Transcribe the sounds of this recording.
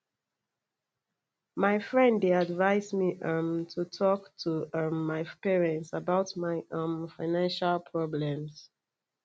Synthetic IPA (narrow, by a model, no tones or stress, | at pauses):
majfɹɛ̃nddeadvaɪsmiʔʌ̃mtʰutʰɔktʰuʌmːajpɛɹɛ̃ntsabawtmaɪʌ̃mfaɪnãnʃalpʰɹɔblɛ̃ms